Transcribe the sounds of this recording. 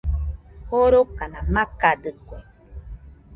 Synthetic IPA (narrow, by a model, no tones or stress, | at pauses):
hoɾokanamakadɨkʷe